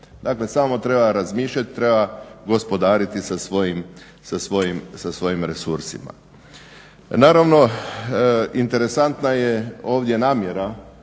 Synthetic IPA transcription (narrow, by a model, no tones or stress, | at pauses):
d̪akle̞samo̞t̪ɾe̞baɾazmiːʃʎʲat̪i̥t̪ɾe̞baɡo̞spo̞d̪aːɾit̪isasʋo̞jim | sasʋo̞jimsasʋo̞jimɾe̞suɾsḭma̰ | naːɾaʋno̞ | int̪e̞ɾe̞sant̪najeo̞ːʋd̪je̞naːmjeɾa